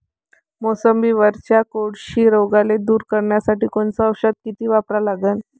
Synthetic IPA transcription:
mosəmbiːʋəɾt͡ɕjakoɽɕiːɾoɡaled̪uːɾkəɾɳjasaʈiːkoɳt͡sɔəwɕəd̪̚kit̪iːʋapɾalaɡən

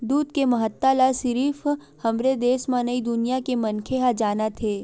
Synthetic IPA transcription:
d̪uːd̪kemɐɦət̪ːalasɪɾiːf | hɐmɾed̪eːsmanəid̪ʊnijakemɐnkʰeɦad͡ʒaːnat̪ʰeː

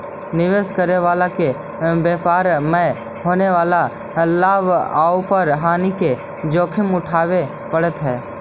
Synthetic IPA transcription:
nɪʋeːskəɾeʋaːlake | beːpaːɾmɛ̃ | ɦoːneʋaːla | laːbaːupəɾɦaːnike | d͡ʒoːkʰɪmʊʈʰaːʋe | pəɽət̪ɦɛː

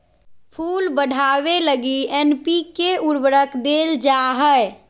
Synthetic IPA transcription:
pʰulbəɽʱaʋeləɡienpikeuɾbəɾəkd̪eld͡ʒaɦəj

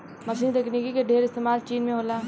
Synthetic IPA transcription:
mɐʃ̬iːnt̪eknikikeɖʱeːɾɪst̪eːmaːlt͡ʃiːnmẽɦoːlaː

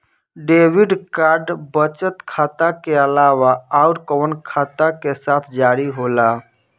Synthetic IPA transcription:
ɖeʋiɖkaɾɖbət͡ʃət̪kʰat̪akeəlawaaʊɾkəənkʰat̪akesat̪ʰd͡ʒaɾiɦola

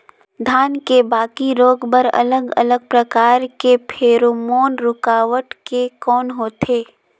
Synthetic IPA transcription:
d̪ʱaːnkebaːkiɾoːɡbəɾɐ̰ləɡə̰ləɡ̚pɾəkaːɾkepʰeːɾomoːnɾʊkaːʋəʈkekɔːnɦoːt̪ʰeː

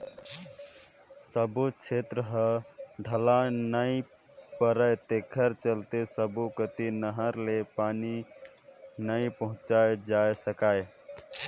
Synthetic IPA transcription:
səbut͡ʃʰet̪ɾəɦəɖʱəlanəj | pəɾəjt̪ekʰəɾt͡ʃəlt̪esəbukət̪inəɦəɾlepani | nəjpəɦũt͡ʃaed͡ʒaesəkaj

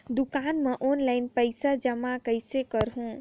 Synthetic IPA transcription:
d̪ukanmeʔonlajnpəjsad͡ʒəmakəjsekəɾɦũ

